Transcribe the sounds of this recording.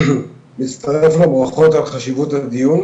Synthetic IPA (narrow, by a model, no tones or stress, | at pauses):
mit͡st̪ʰaʁeflabʁaχo̞t̪alχaʃivut̪had̪ijun